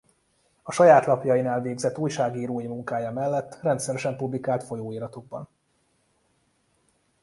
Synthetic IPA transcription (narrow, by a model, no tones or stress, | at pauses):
ɒʃɒjaːt̪lɒpjɒjinaːlveːɡzɛt̪ːuːjʃaːɡiːɾoːjimuŋkaːjɒmɛlːɛt̪ːrɛnt̪sɛɾɛʃɛmpublikaːlt̪fo̞joːiːɾɒt̪oɡ̚bɒ̰n